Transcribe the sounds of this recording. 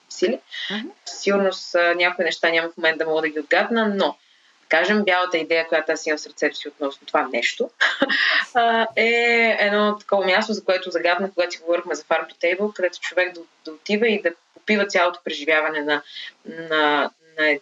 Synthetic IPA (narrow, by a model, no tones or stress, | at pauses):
sili | siɡʊɾnʊsnʲakʊinɛʃt̪anʲamɐfmomɛnt̪d̪ɐmɔɡəd̪əɡʲiod̪̚ɡat̪nəno̥ | ɐkaʒɛmbʲjalˠət̪əid̪ɛjəkoʊjat̪ojasimɐfsɐɾt̪sɛt̪ʊ̥siot̪nɔsnot̪ovanɛʃt̪o | ɛɛd̪nɔt̪ːɐ̥kɔvɐmʲjast̪ozɐkoɛt̪ʊzɐɡat̪nəkoɡat̪iɡovɔɾixmɛzɐfaɾpd̪ot̪ɛjbəlˠkɐd̪ɛt̪ʊ̥t͡ʃovɛɡ̚d̪ɐd̪ɐot̪ivəid̪ɐpopivət̪sʲjalˠot̪o̥pɾɛʒivʲjavɐnɛnɐnɐ | nɐɛ